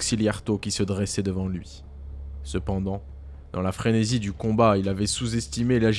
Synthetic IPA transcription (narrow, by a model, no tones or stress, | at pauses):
ksiljaʁt̪okʲisəd̪ʁɛsɛd̪əvɑ̃lɥi | səpɑ̃d̪ɑ̃ | d̪̥ɑ̃lafχenezid̪ykɔ̃bailavɛsuzɛst̪imelaʒ